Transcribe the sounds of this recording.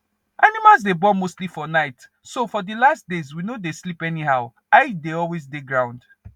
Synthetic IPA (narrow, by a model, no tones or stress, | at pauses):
ʔanimalzdebɔmostlifɔnaɪt | sofɔdəlast̚dezwinodeslipɛniɦaʊ | aɪdeɔlwezdeɡɹãʊ̃nd